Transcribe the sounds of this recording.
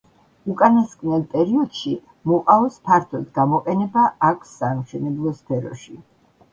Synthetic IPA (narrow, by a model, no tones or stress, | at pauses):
ukʼanaskʼnɛlˠpʼɛɾiɔd̪̥ʃi | mɔqʼaɔspʰaɾt̪ʰɔd̪ɡamɔqʼɛnɛbaʔakʷʰsːamʃɛnɛblˠɔspʰɛɾɔ̰ʃi